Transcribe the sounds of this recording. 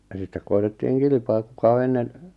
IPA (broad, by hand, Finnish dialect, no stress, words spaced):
jɑ sitːek koi̞tetːiːŋ kilĭpɑː kukɑ o enːen